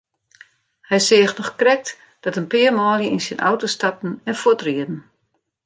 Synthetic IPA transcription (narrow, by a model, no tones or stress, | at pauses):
hɛjsɪːxtnɔxkrɛk̚t | d̥ɔtənpɪərmɔːljəinsɪnʔɔ̰wtostat̚n̩ɛnfutriədn̩